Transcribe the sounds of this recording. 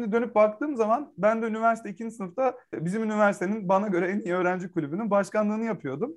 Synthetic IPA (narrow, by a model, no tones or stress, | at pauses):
ʃimd̪id̪ø̞nyp̚bakt̪ʰɯːmzamanbænd̪ɛynivæɾsi̥t̪ʰeicʰind͡ʒisɯnɯft̪ʰabizimynivæɾsit̪ʰe̞ninbanaɟø̞ɾɛenijiøːɾænd͡ʒɛkʰulʲybynynbaʃkanlˠɯːnɯjapʰɯjo̞d̪um